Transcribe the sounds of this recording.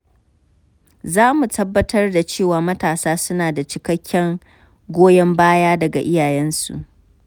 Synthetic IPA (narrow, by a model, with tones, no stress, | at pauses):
zaː˦mu˨tɐ˦bːɐ˦tʰɐ˦rda˨t͡ʃeː˦˨waː˨mɐ˦taː˨saː˦sʊ˦naː˨da˨t͡ʃɪ˨kɐ˦kʲʰːɛ˦ŋ | ɡʷoː˦jɛ˦mbaː˦jaː˦dɐ˨ɡa̰˨ʔɪ˦jaː˨jɛ˦nsṵ˨ʔ